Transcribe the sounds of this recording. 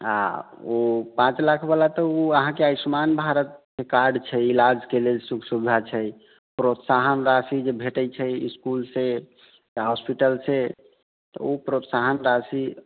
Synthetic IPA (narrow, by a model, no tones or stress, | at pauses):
a̰ | opãt͡ʃlakʰbəlat̪əuəɦãkeajsmanbʱaɾət̪̚kekaɾɖt͡ʃʰɛilad͡ʒkelelsukʰsud̪ʱat͡ʃʰɛ | pɾot̪saɦənɾasid͡ʒebʱeʈəjt͡ʃʰəiskulse | jaɦɔspiʈəlsʰe | t̪ɔ̰opɾot̪saɦənɾasi